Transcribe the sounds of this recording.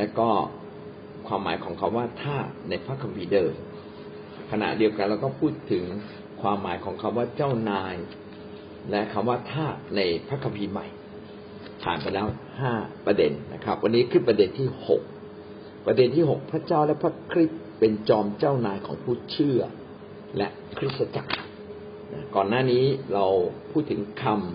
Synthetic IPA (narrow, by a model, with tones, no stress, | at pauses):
lɛ˦˥wkɔː˥˩ | kʰwaː˧mːa̰ː˩˦jkʰɔː˩˦ŋkʰa˦˥mwaː˥˩t̪ʰaː˥˩t̪̚na˧jpʰɾa˦˥kʰːa˧mpʰiː˧dɤː˧m | kʰa˧na̰˨˩di˧əwka˧nlɾɛː˦˥wkɔː˥˩pʰuː˥˩t̪ʰːɯ˩˦ŋ | kʰwaː˧mːaː˩˦jkʰɔː˩˦ŋkʰa˧˥mwaː˥˩t͡ɕa˥˩wnaː˧j | lɛ˦˥ʔkʰa˧mwaː˥˩t̪ʰaː˥˩t̪̚na˧jpʰɾa˦˥kʰːa˧mpʰiː˧ma̰˨˩j | p̪ʰa̰ː˨˩npa˧jlɛː˦˥whaː˥˩pɾa˧de˧nːa̰˦˥kʰɾa˦˥p̚wʔa˧nːiː˦˥kʰɯː˥˩pɾa˧de˧nt̪ʰiː˥˩ho̰˨˩k̚ | pɾa˧de˧nt̪ʰiː˥˩ɦo˨˩k̚pʰɾa˦˥t͡ɕaː˥˩wlɛ˦˥pʰɾa˦˥kʰɾi˦˥t̪̚pe˧nt͡ɕɔː˧mt͡ɕa˥˩wnaː˧jkʰɔː˩˦ŋpʰuː˥˩t͡ɕʰɯ˥˩ɐ | lɛ̰˦˥ʔ | kʰɾi˦˥t̪̚sa˧t͡ɕa̰˨˩k̚ | na˦˥kɔː˨˩nːaː˥˩niː˦˥ɾa˧wpʰuː˥˩t̪ʰːɯ˩˦ŋkʰa˧m